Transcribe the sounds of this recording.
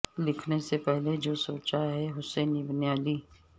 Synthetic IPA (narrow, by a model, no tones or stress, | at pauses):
lɪkʰnesepɛɦled͡ʒoːsoːt͡ʃaɦɛɦʊsɛ̃ːnibənjaːliː